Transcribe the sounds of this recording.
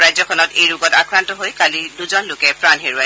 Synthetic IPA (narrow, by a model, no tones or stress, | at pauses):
ɹajzɔkʰɔnɔtejɹuɡɔtakɹantɔɦojkaliduzɔnlʊkɛpɹanɦeɹua